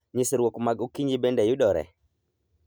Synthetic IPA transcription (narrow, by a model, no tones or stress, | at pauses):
ɲisɾwokmaɡokiɲibendɛjʊɗɔɾɛ̰